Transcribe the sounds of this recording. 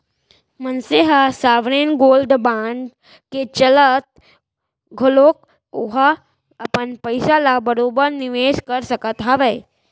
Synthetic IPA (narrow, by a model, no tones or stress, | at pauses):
mənseɦasaʋɽenɡolɖbaɳɖ | ket͡ɕələt̪̚ | ɡʱolok̚ | oɦa | apənpəjsalabəɾobəɾniʋeskəɾsəkət̪ɦaʋəj